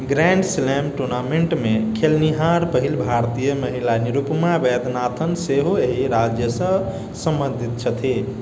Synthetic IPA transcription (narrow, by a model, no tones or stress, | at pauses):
ɡɾɛɳɖslɛmʈuɾnameɳʈmekʰelniɦaɾpəɦilbʱaɾt̪ijəməɦilaniɾupmabed̪ʱnat̪ʰənseɦoeɦiɾad͡ʒjəsə̃ | sə̃mbə̃nd̪ʱit̪̚t͡ʃʰət̪ʰi